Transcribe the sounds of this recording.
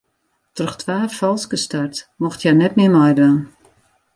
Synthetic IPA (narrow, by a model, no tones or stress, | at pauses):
trəxtʰʋaːfɔlˠskəstartmɔxtʰjanɛtmɪmɔjdraːn